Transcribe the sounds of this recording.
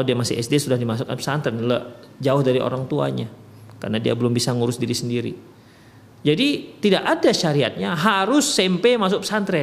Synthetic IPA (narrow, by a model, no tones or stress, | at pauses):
kalawdiamasiʔɛsdesudahdimasukanpsant̪ɾɛnləʔ | d͡ʒaʊhdaɾio̰ɾaŋt̪ua̰ɲa | ka̰rnadia̰bəlʊmbisaŋuɾʊsdiɾisəndiɾḭ | d͡ʒadit̪idakadaʃaɾiat̪̚ɲaɦaɾʊsːɛmpemas̬ʊk̚psant̪ɾɛ